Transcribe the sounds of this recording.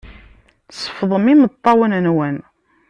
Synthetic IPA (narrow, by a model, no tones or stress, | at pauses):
sə̥fðˤəmimət̪ˤːɑwənənwæn